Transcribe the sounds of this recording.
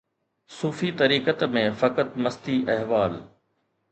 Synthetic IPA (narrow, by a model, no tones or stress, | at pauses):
suːfit̪ɐɾiːkət̪mẽfɐkət̪mɐst̪iʔɐɦʋaːl